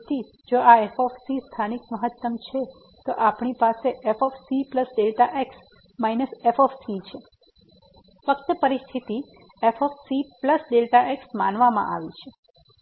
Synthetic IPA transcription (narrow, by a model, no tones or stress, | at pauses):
t̪i | d͡ʒoaefɔfsist̪ʰanikməɦət̪ːəmt͡ʃʰe | t̪oʔapɳipaseʔefɔfsipləsɖelʈaʔeks | mainəsefɔfsit͡ʃʰe | fəkt̪əpəɾist̪ʰit̪i | efɔfsipləsɖelʈaʔeksmanʋamã̰ʔa̰ʋit͡ʃʰe